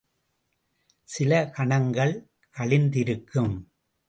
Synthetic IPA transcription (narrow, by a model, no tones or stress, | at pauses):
sɪlɐkɐɳɐŋɡɐɭ | kɐɭɪnd̪ɪɾɯkːɯm